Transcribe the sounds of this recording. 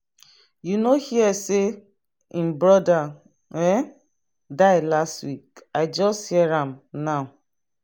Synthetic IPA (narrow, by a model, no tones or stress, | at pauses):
junohiɛse | ĩmbɹɔda | ɛ | daɪlastwikaɪd͡ʒɔsthiɛɹãmnaʊ